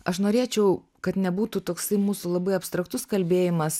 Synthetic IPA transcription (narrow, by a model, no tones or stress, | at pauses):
ɐʃnoːɾʲeːt͡ʃʲɛʊ | kɐt̪nʲɛbuːt̪ut̪oːksɐɪmuːsulˠɐbɐɪɐpst̪ɾɐkt̪ʊskɐlʲbʲeːjɪmɐs